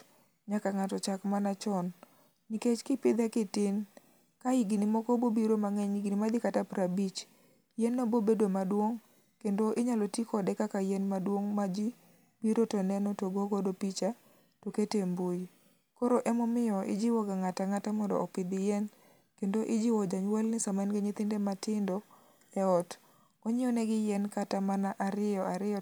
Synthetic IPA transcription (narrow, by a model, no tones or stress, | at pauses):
ɲakaŋatɔt͡ʃakmanat͡ʃɔn | niket͡ʃkɪpɪd̪akɪtɪn | kaiɡɪnimɔkɔbobiɾomaŋɛɲiɡɪnimad̪ɪkatapɾabit͡ʃ | jɛnːobobedwomadwoŋ | kendoʔɪɲalotikɔdɛkakajɛnmadwoŋmad͡ʒi | biɾotonɛnɔtoɡoɡɔdopit͡ʃa | toketembuj | koɾoʔɛmɔmɪjɔʔɪ̰d͡ʒiwɔɡaŋataŋatamɔndɔ̰ʔɔpɪd̪ɪjɛn | kendoʔɪd͡ʒiwɔd͡ʒaɲwalnɪsamanɡeɲɪt̪ɪndɛmatɪndɔ | ɛɔt | ɔɲɪɔnɛɡɪjɛnkatamanaʔaɾɪɔaɾɪɔ